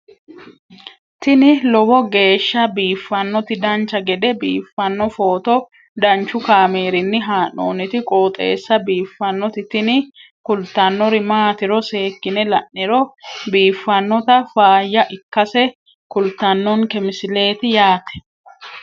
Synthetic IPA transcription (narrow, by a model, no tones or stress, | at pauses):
t̪ɪnɪlɔbɔɡe̞ːʃːɐbiːfːɐnːɔt̪ɪd̪ɐnt͡ʃɐɡɛd̪ɛbḭːfːɐnːɔfo̞ːt̪ɔ | d̪ɐnt͡ʃːʊkaːmeːɾɪnːɪɦaːnːo̰ːnɪt̪ɪkʼo̞ːt̪ʼḛːsːɐbiːfːɐnːɔt̪ɪt̪ɪnɪ | kʊlt̪ːɐnːɔɾɪmaːt̪ɪɾɔse̞ːkːɪnɛlɐʔːɪɾɔbiːfːɐnːɔt̪ɐfaːjːɐʔɪkːɐsɛ | kʊlt̪ːɐnːɔnkɛmɪsɪle̞ːt̪ɪjaːt̪ɛ̥